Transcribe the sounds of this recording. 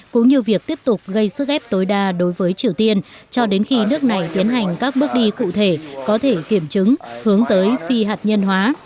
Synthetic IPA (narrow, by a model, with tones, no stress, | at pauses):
kʊ̰˧˥ŋ͡mɲi˨˩əwvi˨˩ək̚t̪i˦˥əp̚t̪ʊ˨˩k͡p̚ɣə˧jsɨ˦˥k̚ʔɛ˦˥p̚t̪o˨˦jɗaː˧ɗo˨˦jvəː˨˦jt͡ɕi˨˩əwt̪i˧ənt͡ɕɔ˧ɗe˨˦nxi˧nɨ˦˥ək̚na˨˩jt̪i˨˦ənɦa˨˩jŋ̟kaː˦˥k̚ɓɨ˦˥ək̚ɗi˧kṵ˧˨t̪ʰe˧˩kɔ˨˦t̪ʰe˧˩ki˧˩əmt͡ɕɨ˨˦ŋhɨ˨˦əŋt̪əː˨˦jfi˧ɦaː˨˩t̚ɲə˧nɦwaː˨˦